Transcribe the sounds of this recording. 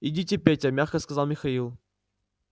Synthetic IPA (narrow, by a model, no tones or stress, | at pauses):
idʲitʲɪepʲetʲɐmʲaxkəskɐzalˠmʲɪxɐilˠ